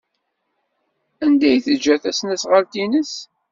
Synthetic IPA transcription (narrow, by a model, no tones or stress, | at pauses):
ænd̪æjθəd͡ʒːæθæsnæsʁəlt̪inəs